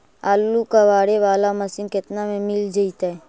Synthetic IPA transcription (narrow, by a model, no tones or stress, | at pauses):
aːlːukaʋaːɽeʋaːlamɐsɪnkɪt̪namẽmɪld͡ʒəit̪aɦɛ